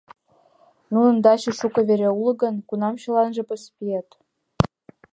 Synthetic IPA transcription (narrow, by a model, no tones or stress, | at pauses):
nunɤ̆nd̪ɑɕɤ̆ʃukɤ̆βeɾʲeulɤ̆ɡə̆nkunɑmɕɤ̆lɑnʒĕpɤ̆spiet̪